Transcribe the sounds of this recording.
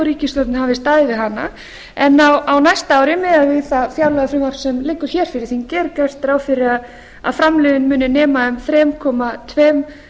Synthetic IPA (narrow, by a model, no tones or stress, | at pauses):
ɾiːcɪst̪ɔɾt̪nhavɪst̪aːðɪvɪɦanːa̰ | ɛnːawawnajst̪aaːwɾɪmɛðaðvɪðθafjawlaðafɾɪmaɾ̥sɛmlɪkːʏɾ̥çɛːɾ̥fɪɾɪɾθincɛːɾkɛr̥t̪ɾaːwfɪɾɪað | a̰ðfɾamlɛːðɪnmʏːnʏnɛːmaʏmθɾɛːmkʰɔːmat̪ʰvɛːm